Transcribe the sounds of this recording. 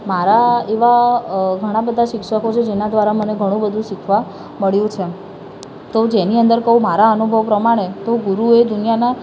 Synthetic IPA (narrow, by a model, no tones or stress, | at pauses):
maɾaeʋaɡʱəɽ̃abəd̪ʱaʃɪkʃəkot͡ʃʰed͡ʒenad̪ʋaɾaməneɡʱəɽ̃ũbəd̪ʱũʃɪkʰʋa | məɭjũt͡ʃʰe | t̪od͡ʒeniənd̪əɾkəɦũmaɾaənubʱəʋpɾəmaɽ̃et̪oɡuɾued̪unijana